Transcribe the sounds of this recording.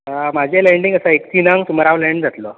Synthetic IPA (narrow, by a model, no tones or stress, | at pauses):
mad͡ʑʱelɛ̃ɳɖĩŋɡəsəek̚t̪inaŋɡsuməɾaʋlɛ̃ɳɖd͡zat̪lo